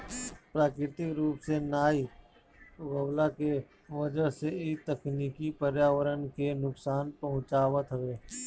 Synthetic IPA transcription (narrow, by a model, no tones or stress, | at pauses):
pɾaːkɾɪt̪ɪkɾuːpsenaːi | ɣɐʋlake | ʋəd͡ʒəɦseit̪əkniːkipəɾjaːʋəɾənkenʊksaːnpɐɦʊ̃t͡ʃaːʋət̪ɦəʋeː